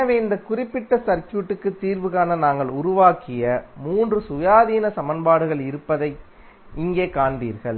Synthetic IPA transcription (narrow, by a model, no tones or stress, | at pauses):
ɐʋeːɪnd̪ɐkʊrɪpːɪʈːɐsɐɾkːjuːʈːɯkːɯt̪ːiːɾʋɯɣaːnɐnaːŋɡɐɭʊɾʊʋaːkːɪjɐmuːndrɯsʊjaːðiːnɐsɐmɐnbaːɽɯɣɐɭɪɾɯpːɐðɐɪ | ɪŋɡeːkaːɳbḭːɾɣɐɭ